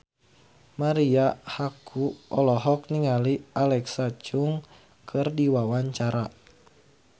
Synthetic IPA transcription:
maɾiahakʰuʔɔlɔɦɔk̚niŋalialɛksat͡ʃuŋ | kʰɨrdiwawaɲt͡ʃaɾa

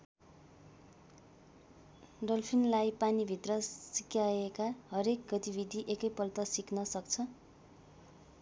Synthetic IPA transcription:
ɖʌlpʰinlajpanibʱit̪rʌsikjaekaɦʌɾek̚ɡʌt̪ibʱid̪ʱiʔekʌjpʌlt̪ʌsiknʌsʌkt͡sʰʌ

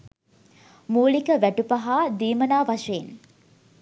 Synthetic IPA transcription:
muːlikəʋæʈupɐɦaːd̪iːmənaːʋaʃeːn

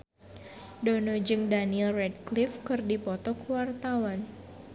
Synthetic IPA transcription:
donɔd͡ʒɨŋdaniɛlrɛd̚klifkɨrdipɔt̪ɔkwart̪awan

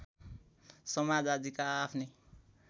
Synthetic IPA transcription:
sʌmad͡zad͡zikaːpʰni

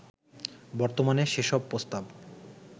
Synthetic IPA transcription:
bɔɾt̪omaneʃeʃɔb̚pːɾost̪ab

